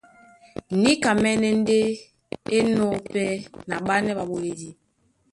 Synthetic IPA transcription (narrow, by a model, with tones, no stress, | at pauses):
ni˦ka˨mɛ˦nɛ˦n̩˦de˦ | e˦nɔ˦˨pɛ˦na˨ɓa˦nɛ˦ba˨ɓo˨le˦di˦